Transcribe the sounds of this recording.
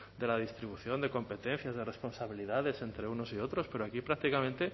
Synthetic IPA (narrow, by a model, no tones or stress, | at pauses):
d̪elað̞ist̪ɾiβ̞uθjo̞nd̪eko̞mpe̞t̪ẽn̟θjazðerespo̞nsaβ̞iliðaðe̞sent̪ɾeunosiot̪ɾospeɾoakipɾak̚t̪ikamẽnt̪e